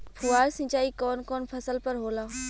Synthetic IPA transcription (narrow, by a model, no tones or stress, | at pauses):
pʰuaːɾsɪ̃t͡ʃaːikɔːnkɔːnpʰɐsəlpɐɾɦoːlaː